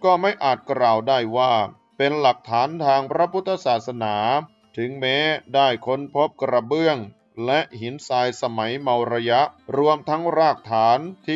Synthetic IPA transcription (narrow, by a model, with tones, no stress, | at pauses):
kɔː˥˩ma˥˩jʔaː˨˩t̪̚kɾaː˨˩wdaː˥˩jwaː˥˩ | pe˧nla˨˩k̚t̪ʰaː˩˦˥nt̪ʰaː˧ŋpʰɾa˦˥pʰu˦˥t̪ʰːa˧saː˨˩t̪̚sa˧naː˩˦ | t̪ʰɯ˩˦ŋmeː˦˥daː˥˩jkʰo˦˥npʰo˦˥p̚kɾa˧bɯ˥˩əŋ | lɛ˦˥ʔhi˩˦nsaː˧jsa˧ma˩˦jma˧wɾa˧ja˦˥ʔɾu˧əmt̪ʰa˦˥ŋɾaː˥˩k̚t̪ʰaː˩˦˥nt̪ʰiː˥˩